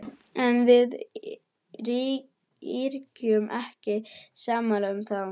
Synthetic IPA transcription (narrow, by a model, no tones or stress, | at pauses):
ɛnvɪð | ɾi | iɾcʏmʔɛhcɪsaːmalʏmθaw